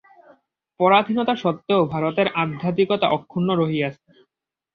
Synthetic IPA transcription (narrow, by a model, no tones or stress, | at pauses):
pɔɾad̪ʱinɔt̪aʃɔt̪ːeobʱaɾot̪eɾad̪ʱat̪ikɔt̪a̰ʔɔkʰːunːoɾoɦiat͡ɕʰe